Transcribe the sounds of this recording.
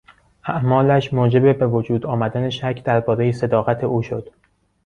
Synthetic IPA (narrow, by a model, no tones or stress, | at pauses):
ʔæʔmɒːlæʃmoːd͡ʒe̞be̞be̞vod͡ʒuːd̪ɒːmæd̪æne̞ʃæcʰd̪̥æɾbɒːɾejese̞d̪ɒːɣæt̪ʰe̞ʔuːʃod̪̥